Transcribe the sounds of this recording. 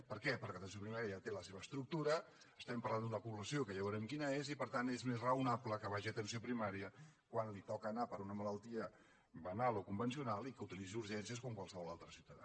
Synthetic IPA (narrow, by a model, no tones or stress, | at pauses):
pəɾkɛpəɾkɛət̪ənsiopɾimaɾiəjat̪eləseβəːst̪ɾuk̚t̪uɾəː | st̪ɛmpəɾland̪uəpuβləsiokəjaβəɾɛmkinəezipəɾt̪anezmezrəunapləkəβaʒiət̪ənsiopɾimaɾiə | kwanlit̪ɔkəːnapəɾunəmələlˠt̪iə | bənalˠokumbənsiunalˠikəut̪ilid͡ziuɾʒɛnsiəskomkwalˠsəβɔlalˠt̪ɾəsiwt̪əða̰